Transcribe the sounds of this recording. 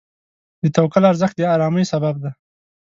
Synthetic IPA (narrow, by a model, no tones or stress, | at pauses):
d̪ət̪awkalaɾzəxt̪djɑɾɑməjsabab̚d̪a